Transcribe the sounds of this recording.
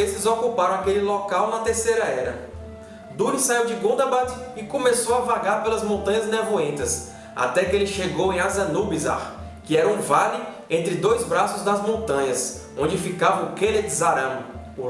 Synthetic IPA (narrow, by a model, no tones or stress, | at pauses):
esɪzokupaɾɐ̃akelɪlɔkawnɐt̪ehsejɾɐɛɾɐ | d̪uɾisaiwd͡ʒɪɡõd̪ɐbat̪ɪɪkõmesowavaɡaɾpelɐzmõnt̪ɐ̃ɲɐznevuẽnt̪ɐs | a̰t̪ɛkɪelɪʃeɡowẽj̃azɐnubiza̰ɾ | kɪɛɾɐũvalɪ | ẽnt̪ɾɪd̪ojzbɾasʊzd̪ɐzmõnt̪ɐ̃ɲɐs | õd͡ʒɪfikavɐʊkeled͡ʒ̪ɪzaɾɐ̃m